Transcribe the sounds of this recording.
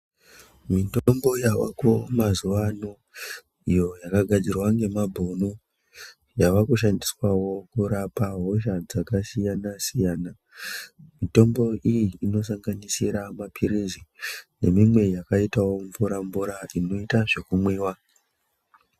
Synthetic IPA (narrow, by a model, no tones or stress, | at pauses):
mitombo̞jawa̰komazuʋano | ijo̞jakaɡʱad͡zirwaŋɡe̞mabʱono | jaʋakuʃ̬andiswawo̞kuɾapaɦo̞ʃ̬ad͡zakasijanasijaːna | mito̞mbo̞ʔijiːno̞saŋɡanisiɾamapʰiɾizine̞mimwe̞jakaitawo̞ɱvuɾaɱbuɾaʔino̞itaʐe̞kumwiːwa